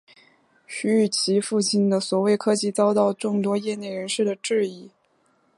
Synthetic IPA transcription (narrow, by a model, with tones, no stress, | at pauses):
ɕy˧˥y˥˩t͡ɕʰi˧˥fu˥˧t͡ɕi˥˩nd̪ə˩swɔ˨˩we˥˩ɪkʰɤ˥t͡ɕi˥˩t͡sɑ˥ʊt̪ɑ˥˧ʊʈ͡ʂʊ˥˩ŋt̪wɔ˥jɛ˥˧ne˥˩ɪɻə˧˥nʂɻ̩˥˩d̪ə˩ʈ͡ʂɻ̩˥˧i˥˩